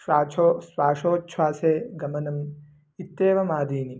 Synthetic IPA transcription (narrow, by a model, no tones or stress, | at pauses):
ʃaːt͡ʃʰosʋaːʂoːtːʃʰʋaːseːɡɐmɐnɐm | it̪ːeːʋɐmaːd̪iːni